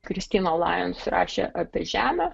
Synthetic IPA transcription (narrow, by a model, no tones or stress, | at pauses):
kɾʲɪsʲt̪ʲiːnolˠɑ̰ːjɛnsʲɾɑ̰ːʃʲḛʔɐpʲiɛʒʲæːmʲæ